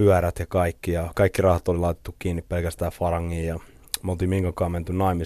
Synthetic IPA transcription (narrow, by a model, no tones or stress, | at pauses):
yæɾæt̪jɑkɑikːijɑkɑikːirɑhɑt̪olilɑˑit̪e̥t̪ːukkiːnːippelkæst̪æːfɑrɑŋːiːjɑ | molt̪imihiŋkɑkɑːment̪ynnɑimi